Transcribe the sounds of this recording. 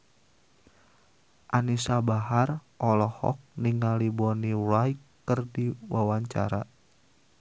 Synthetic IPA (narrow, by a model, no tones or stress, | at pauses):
ʔanisabaɦarʔɔlɔhɔ̰k̚niŋalibɔnilajkːərdiwawaɲt͡ʃa̰ɾa